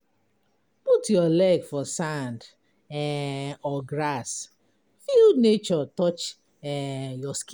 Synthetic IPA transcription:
putjɔlɛɡfɔsãnd | ɛɔɡɹas | fildnet͡ʃɔtɔt͡ʃ | ɛjɔsk

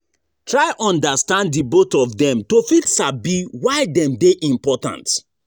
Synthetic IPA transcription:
tʰɹaɪʔɔ̃ndastãnddibotɔvdɛ̃mtofitsabiwaɪdɛ̃mdeʔĩmpɔtã̰nt

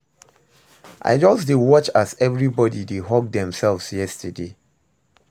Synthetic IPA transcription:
ʔa̰ɪd͡ʒɔsdedwɔt͡ʃazɛvɹibɔdideɦɔk̚dɛ̃msɛlˠvsjɛstʰəde

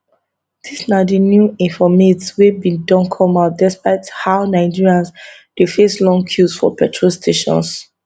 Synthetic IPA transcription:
d̥isnadinjuĩnfɔmetswebĩdɔ̃nkʰɔmadɛspaɪthaʊnaɪd͡ʒiɹiãns | defeslɔ̃ŋkʰjusfɔ̰pɛtʰɹostʰeʃɔ̰̃ns

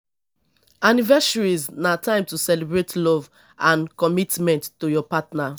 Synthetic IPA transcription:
anivɛsaɹiznatʰãɪ̃mtusɛlibɹetʰlɔv | ãnkɔmitmɛ̃ntːojɔpatna

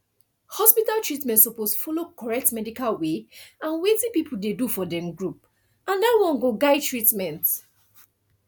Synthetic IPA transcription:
hɔspitaltɹitmɛ̃ntsɔposfɔlokɔɹɛk̚tmɛdikalweãnwetĩpipʰuldedufɔdɛ̃mɡɹup̚ | ãndawɔ̃nɡoɡaɪtʰɹitmɛ̃nt

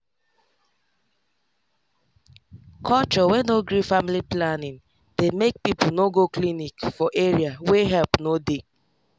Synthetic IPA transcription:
kʰɔt͡ʃɔwɛnoɡɾifamiliplanĩn | d̥emek̚pipʊnoɡoklinikfɔʔeɹiaweɦɛlpnode

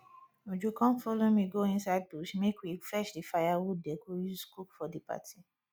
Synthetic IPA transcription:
mod͡ʒokɔ̃nfolomĩɡoĩnsaɪd̚buʃmekwiflɛʃdifajawudɛkojuzskukfɔdipa̰tʰi

